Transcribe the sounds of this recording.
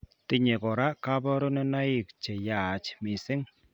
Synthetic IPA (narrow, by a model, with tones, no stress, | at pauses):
t̪ɪ˦ɲe˨kɔ˨ɾa˦ka˦bɔ˦ɾo˦nɔ˦na˦ɪ˨kt͡ʃe˨ja˨t͡ʃmɪ˨sɪ˦ŋ